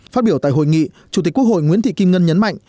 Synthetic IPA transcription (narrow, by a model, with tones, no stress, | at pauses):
faː˦˥t̚ɓi˧˩ət̪a̰ː˧˨ɦho̰˧˨jŋḭ˧˨ | t͡ɕu˨˩t̪i˨˩k̟kək̚ho̰˧˨jŋḭ˧˥ənt̪ʰḭ˧˨ki˧mŋə˧nɲə˨˦nma̰˧˨jŋ